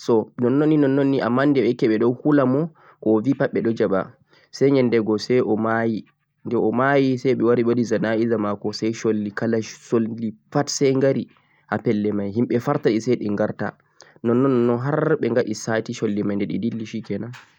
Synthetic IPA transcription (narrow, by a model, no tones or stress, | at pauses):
sɔnɔnːɔnːinɔnːɔnːiʔa̰mːandɛɓɛkɛɓɛɗɔwhulamɔ | kɔvipaɓːɛɗɔd͡ʒaɓa̰ | sɛɲɛndɛɡɔsɛjʔɔmaji | ndɛɔmajisɛjɓɛwaɾiɓodizanaizamakɔsajʃolːikalasolːifatsɛjŋɡaɾi | hapɛlːɛmajɦimɓɛfaɾtaɗisajɗɛŋɡaɾta̰ | nɔnːɔnːɔnːɔnɦaɾɓɛŋɡaɗisatiʃolːimajndɛɗḭdilːiʃikɛna